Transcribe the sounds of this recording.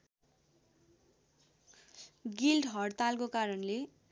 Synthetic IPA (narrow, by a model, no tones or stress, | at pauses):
ɡilɖɦʌɽt̪alkokaɾʌnle